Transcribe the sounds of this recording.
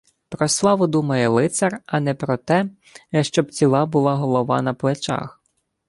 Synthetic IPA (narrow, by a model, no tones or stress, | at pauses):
pɾɔslˠɑʋʊd̪umɐjɛlˠɪt̪sɐrɐnɛpɾɔt̪ɛ | ʃt͡ʃɔbt͡sʲilˠɑbʊlˠɑɦɔlˠɔʋɑ̰nɐplˠet͡ʃɑ̰x